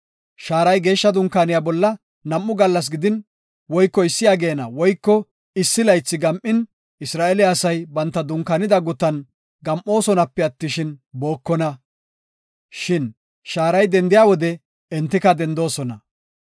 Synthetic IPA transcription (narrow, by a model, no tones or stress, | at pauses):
ʃaːɾɐjɡe̞ːʃːɐd̪ʊŋkːaːnɪjabɔlːɐ | nɐmʔːʊɡɐlːɐs̬ɡɪd̪ɪn | wɔjkːɔɪsːɪjaːɡeːnɐwɔjkːɔ | ɪsːɪlɐjt͡sːɪɡɐmʔɪn | ɪsɾaːʔelɪɐsɐjbɐnt̪ːɐd̪ʊŋkaːnɪd̪ɐɡʊt̪ːɐn | ɡɐmʔo̞ːsɔnɐpːɛɐt̪ːɪʃɪnbo̞ːkːɔnɐ | ʃɪn | ʃaːɾɐjd̪ɛnd̪ɪjaːwɔd̪ɛ | ɛnt̪ːɪkɐd̪ɛnd̪o̞ːsɔnɐ